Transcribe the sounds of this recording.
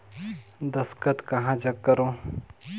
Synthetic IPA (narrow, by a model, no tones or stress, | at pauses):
d̪ɐskət̪kɐɦãd͡ʒɐkkːəɾõː